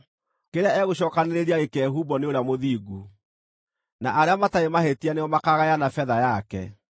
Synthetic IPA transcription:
keɾeaɛɣoɕ̬ɔːkaneɾeɾiaɣekɛɦubɔneoɾeamoðiːɡu | naʔaɾeamataemaɦetianeɔmakaɣajanafɛðajakɛ̰

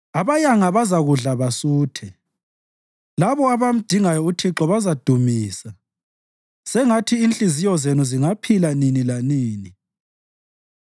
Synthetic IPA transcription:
aβajaŋaβazaɣuɮaβasuːtʰɛ | laβɔaβam̩d̥ʱiŋajɔutʰiǁɔβazad̥ʱumiːsa | sɛŋatʰiːnt͡ɬʼizijɔzenuziŋapʰilaninilaniːni

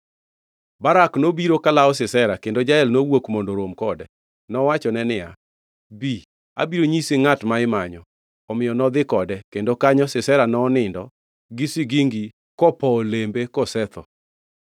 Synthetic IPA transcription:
baɾaknobiɾokalaɔsɪsɛɾakendod͡ʒaɛlnowokmondoɾomkɔdɛ | nɔwat͡ʃɔnɛnɪja̰ | bi | a̰biɾoɲiseŋatmaɪmaɲɔ | ɔmɪjɔnɔd̪ɪkɔdɛkendokaɲɔsɪsɛɾanɔːnɪndɔ | ɡɪsɪɡiŋɡi | kɔpɔːlembekɔsɛt̪ʰɔ

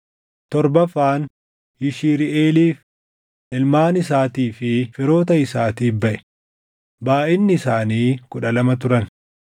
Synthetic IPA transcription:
t̪ɔɾbɐfaːn | jɪʃiːɾɪʔeːliːf | ʔɪlmaːnɪsaːt̪iːfɪfɪɾo̞ːt̪ɐɪsaːt̪iːbɐʔɛ̥ | baːʔɪnːɪɪsaːniːkʊᶑɐlɐmɐt̪ʊɾɐn

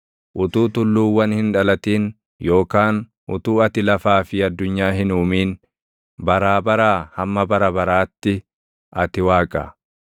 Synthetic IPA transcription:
ʔʊt̪uːt̪ʊlːuːwːɐnhɪnᶑɐlɐt̪iːn | jo̞ːkaːn | ʔʊt̪uːɐt̪ɪlɐfaːfɪɐd̪ːʊɲːaːɦɪnuːmiːn | bɐɾaːbɐɾaːhɐmːɐbɐɾɐbɐɾaːt̪ːɪ | ʔɐt̪ɪwaːkʼɐ̰

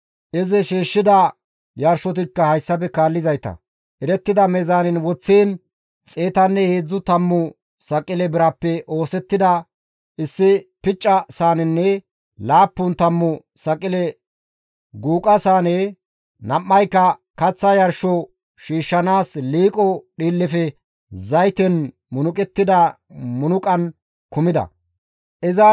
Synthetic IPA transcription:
ʔɪzɛʃiːʃːɪd̪ɐ | jɐɾʃɔt̪̬ɪkːɐhɐjsːɐpɛkaːlːɪzɐjt̪ɐ̰ | ʔɛɾɛt̪ːɪd̪ɐmɛzaːnɪnwɔt͡sːeːn | t͡sʼeːt̪ɐnːɛheːd͡zːʊt̪ɐmːʊ | sɐkʼːɪlɛbɪɾɐpːɛʔo̞ːsɛt̪ːɪd̪ɐ | ʔɪsːɪpɪt͡ʃʼːɐsaːnɪnːɛ | laːpːʊnt̪ɐmːʊ | sɐkʼɪlɛ | ɡuːkʼɐsaːneː | nɐmːɐjkːɐ | kɐt͡sːɐjɐɾʃɔ | ʃiːʃːɐnaːsliːkʼɔɗiːlːɪfɛ | zɐjt̪ɛn | mʊnʊkʼɛt̪ːɪd̪ɐ | mʊnʊkʼɐn | kʊmɪd̪ɐ̰ | ʔɪzɐ

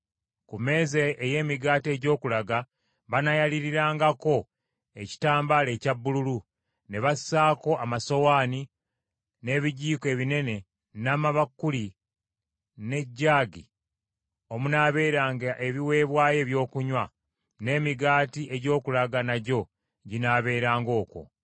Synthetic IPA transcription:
kume̞ːzeːje̞ːmiɡaːtie̞ɟo̞ːkulaɡa | βanajaliɾiɾaːŋɡako̞ | e̞ci̥taːmbaːle̞ːcabːululu | ne̞βassaːko̞amaso̞waːni | ne̞ːβiɟiːkwe̞ːβine̞ne̞ | naːmaβakːuli | ne̞ɟːaːɡi | o̞munaːβe̞ːɾaːŋɡaʔeβiwe̞ːβwaːje̞ːβjo̞ːkuɲwa | ne̞ːmiɡaːtie̞ɟo̞ːkulaɡanaɟo̞ | ɟinaːβe̞ːɾaːŋɡo̞ːko̞̰

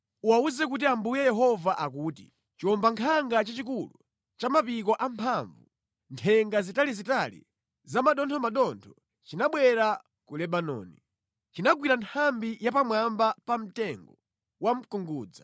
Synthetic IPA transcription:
uauzɛk̬utiambujɛjɛɦɔvaʔak̬uːti | t͡ʃiwɔmbaŋkʰaŋɡat͡ʃat͡ʃik̬ulṵ | t͡ʃamapikɔʔampʰaɱvu | ntʰɛŋɡazitalizitalḭ | zamaɗɔntʰɔmaɗɔntʰɔ | t͡ʃinaɓwɛɾa | kulɛɓanɔ̰ːni | t͡ʃinaɡwiɾantʰambijapamwambapam̩tɛŋɡɔ | wam̩kuŋɡuːd͡za

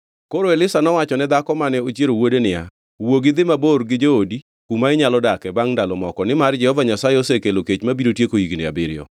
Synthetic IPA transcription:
koɾoelɪsanɔwat͡ʃɔnɛd̪akɔmanɛot͡ʃjeɾowodenɪja | woɡɪd̪ɪmaborɡɪd͡ʒoodi | kumaɪɲalɔdakɛbaŋdalɔmɔkɔnɪmard͡ʒɛhɔvaɲasajɪɔsɛkeloket͡ʃmabiɾotjekoiɡnea̰bɪɾɪjɔ̰

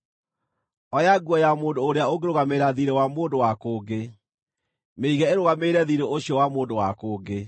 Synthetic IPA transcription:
ɔjaɡwɔjamoːndoːɾeaoɡeɾoɣameɾaðiɾewamoːndowakoːɡe | meiɣɛeɾoɣameɾɛðiɾeʔoɕijɔwamoːndowa̰koːɡe

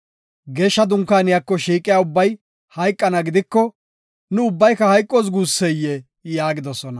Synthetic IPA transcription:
ɡeːʃːɐd̪ʊŋkːaːnɪjakːɔʃiːkʼːɪjaːʊbːɐj | hɐjkʼːɐnɐɡɪd̪ɪkːɔ | nʊʊbːɐjkːɐhɐjkʼːoːs̬ɡuːsːejːɛ | jaːɡɪd̪ɔsɔnɐ

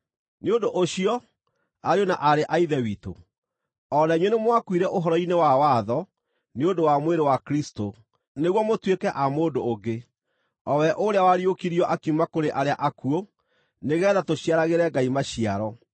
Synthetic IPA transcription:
neondoʔoɕiɔ | aɾjonaʔaɾeʔaiðɛwiːto̰ | ɔnaiɲwɛnemwakwiɾɛʔoɦɔɾɔinewawaðɔ | neondowamweɾewakɾisto | neɣwɔmotwekɛʔamoːndoːɡe | ɔwɛʔoɾeawaɾiokiɾiɔʔakiumakoɾeʔaɾea̰ʔakuo | neɣɛːðatoɕiaɾaɣeɾɛɡaimaɕiaɾɔ

